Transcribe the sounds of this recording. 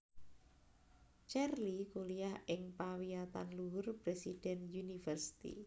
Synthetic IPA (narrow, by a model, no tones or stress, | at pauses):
t͡ʃɛrlikulijahɪŋpawiat̪a̰nluʊrpɾesid̥ɛnjunifərsi̥t̪ḭ